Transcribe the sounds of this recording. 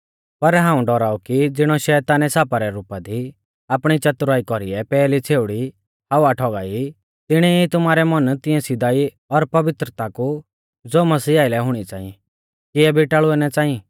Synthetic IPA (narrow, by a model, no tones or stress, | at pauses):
pɐɾɦãːũɖɔɾaːukid͡zɪɽ̃ɔʃɛːt̪aːnɛsaːpaɾɛɾuːpad̪i | aːpɽ̃it͡ʃɐt̪ʊɾaːikɔɾiɛpɛːlit͡sʰeːʊɽi | haʋaʈʰɔːɡa̰ːi | t̪ɪɽ̃ɛit̪ʊmaːɾɛmɐnt̪ɪ̃ɛ̃sɪd̪aːi | ɔɾpɐʋɪt̪ɾət̪aku | d͡zoːmɐsiːaːɪlɛɦʊɽ̃it͡saːĩɛ | kɪɛbʱiʈaːɭʊɛnɛt͡sãːĩĩ